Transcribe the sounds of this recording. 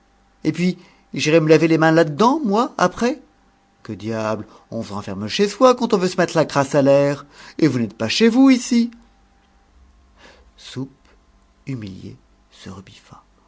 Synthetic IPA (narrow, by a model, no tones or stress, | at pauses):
epɥi | ʒiʁɛməlavelemɛ̃lad̪əd̪ɑ̃mwaa̰pχɛ | kəd̪jabl | ɔ̃səʁɑ̃fɛʁməʃeswakɑ̃t̪ɔ̃vøsəmɛt̪χəlakχasalɛʁevunɛt̪̚paʃevuisi | sup | ymiljḛ | səʁəbifa